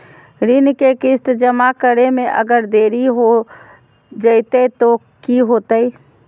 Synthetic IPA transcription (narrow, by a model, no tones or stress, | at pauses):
ɾɪnkekɪst̪d͡ʒəmakəɾemẽʔə̰ɡəɾd̪eːɾiɦo | d͡ʒəɪt̪et̪o | kiɦoːt̪əi